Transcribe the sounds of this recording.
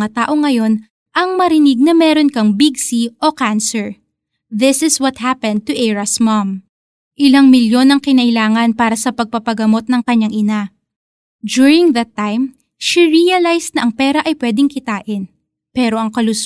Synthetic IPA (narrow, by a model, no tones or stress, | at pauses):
at̪aːʔo̞ŋːɐjo̞n | ʔɐŋmɐɾɪnɪɡ̚nɐmɛɾo̞nkɐŋbiɡsiʔo̞kansɛɹ | ðɪsɪswɐt̪̚hapɛ̃nd̪̚t̪uʔɛɹɐsmɐm | ʔɪlaŋmɪljo̞nɐŋkɪnɐʔɪlaːŋɐnpaːɾɐsɐpɐɡ̚pɐpɐɡɐmo̞t̪̚nɐŋkɐɲːaŋʔɪna | d͡ʒ̪uɹɪŋðɐt̪ːajm | ʃiɹiɐlajst̪nɐʔɐŋpɛːɾɐʔɐjpwɛːd̪ɪŋkɪt̪aːʔɪn | pɛːɾo̞ʔɐŋkɐlʊs